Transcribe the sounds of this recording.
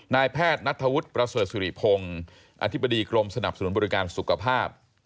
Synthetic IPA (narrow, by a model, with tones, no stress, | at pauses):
naː˧jpʰɛː˥˩t̪̚na˦˥t̪ʰːa˧wu˦˥t̪̚pɾa˧sɤː˨˩t̪̚suː˨˧ɾḭ˨˩pʰo˧ŋ | ʔa̰˧t̪ʰi˦˥bːa˧diː˧kɾo˧msa˧na˨˩p̚sa˧nu˩˦nbɔː˧ɾi˦kaː˧nsu˨˩kʰa˧pʰaː˥˩p̚